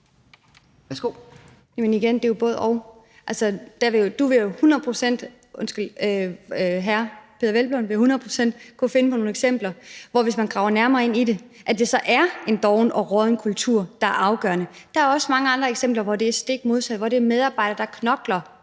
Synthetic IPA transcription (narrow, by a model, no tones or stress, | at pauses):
ɡ̥o | jemeniɡ̥end̥e̝job̥ɔ̽ːðˠɒʊ | ʔælsɐd̥æʋe̝jod̥uʋe̝jo̝hunɐð̩ˠpʰʁosen̰d̥ | ʔɔnsɡ̥l̩ | ɦæɐpʰe̝ðˠɐʋelb̥lɔnʋe̝johunɐð̞̩ˠpʰʁo̥sen̰d̥kʰofe̝nəpʰɒ̽no̝ːneɡ̥sem̰b̥lɐʋɒʋe̝s̬mænɡ̥ʁɑ̈ʊ̰ɐnæɐmɐːe̝n̰ide̝ʔæd̥e̝sɒ̽ʔæɐe̝nd̥ɒʊnɒ̽ʁœðˠn̩kʰult͡sʰuɐ̰d̥ɑ̈æɐɑ̈ʊɡ̥ɶ̰ɐnəd̥ɑ̈æɐɒ̽səmɑ̈ŋəɑ̈nd̥ʁɐeɡ̥sem̰b̥lɐʋɒd̥e̝æɐsd̥e̝ɡ̥̚mo̝ð̞ˠsæd̥ˠʋɒɾ̥e̝ɐmeð̞ˠɑ̈ːb̥ɑ̈ɪ̰ɾ̥ɐd̥ɑ̈kʰnɒ̽ɡ̥lɐ